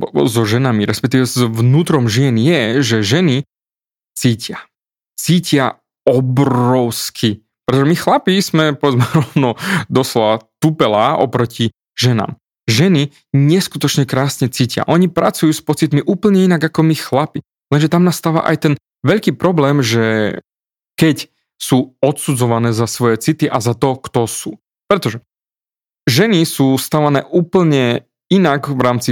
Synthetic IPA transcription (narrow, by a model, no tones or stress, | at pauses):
zɔʒɛnamiɾɛspɛk̚t̪iːʋɛzʋnuːt̪ɾɔmʒiɛnjɛʒɛʒɛni | t͡siːcɪa | t͡siːcɪa | ɔbɾɔʊskʰi | pɾɛt̪ɔʒɛmixlapismɛpɔʋɛd͡zmɛɾɔnɔd̪ɔslɔʋat̪upɛlaːɔ̰pɾɔci | ʒɛna̰ːm | ʒɛni | ɲɛskut̪ɔt͡ʃɲɛkɾaːsɲɛt͡sicɪa̰ʔɔɲipɾat͡sujuːspɔt͡sit̪miʔuːpl̩ɲɛinaɡakɔmixlapi | lɛnʒɛt̪amnasːt̪aːʋa̰ʔa̰jt̪ɛn | ʋɛʎkiːpɾɔblɛːmʒɛ | kɛc | suːɔt̪sud͡zɔʋanɛːzasʋɔjɛt͡sit̪iʔazat̪ɔkt̪ɔsuː | pɾɛt̪ɔʒɛ | ʒɛnisuːst̪aʋanɛ̰ːʔuːpl̩ɲɛ | inaɡʋɾaːmt͡si